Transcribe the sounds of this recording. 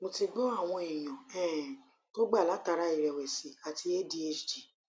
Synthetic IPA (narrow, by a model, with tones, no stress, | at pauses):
mõ˧ti˧ɡ͡bɔ˦a˦˨w̃ɔ̃˧i˨j̃ɔ̃˨ɛ̃˦˨ | to˦ɡ͡ba˦˨la˨˦ta˧ɾa˧˦i˨ɾɛ˨wɛ˨si˨˦a˨ti˧e˦di˧e˧d͡ʒd͡ʒi˨